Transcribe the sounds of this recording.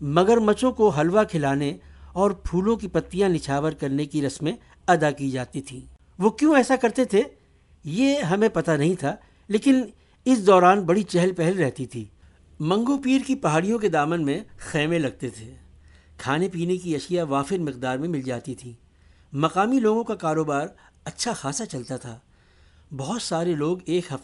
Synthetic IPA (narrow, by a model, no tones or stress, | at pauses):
mɐɡəɾmɐt͡ʃõkoɦɐlʋakʰɪlaːneɔːɾpʰuːlõkipɐt̪ːijãnɪʃʰaːʋəɾkɐɾnekiɾɐsmẽ | ɐd̪akid͡ʒaːt̪it̪ʰiː | ʋokjõːɛːsakɐɾt̪et̪ʰe | jeɦɐmẽpɐt̪anɐɦĩt̪ʰa | leːkɪn | ɪsd̪ɔːɾaːnbɐɽit͡ʃɛɦəlpɛɦɛlɾɛɦt̪it̪ʰiː | mɐ̃ŋɡopiːɾkipɐɦaːɽijõked̪aːmənmẽxɛːmẽlɐɡ̚t̪et̪ʰeː | kʰaːnepiːnekiɐʃijaʋaːfɪɾmɪqd̪aːɾmẽmɪld͡ʒaːt̪it̪ʰiː | mɐqaːmiloːɡõkakaːɾoːbaːɾ | ɐtːʃʰaxaːsat͡ʃɐlt̪at̪ʰaː | bɐɦʊt̪saːɾeloːɡeːkɦɐft̪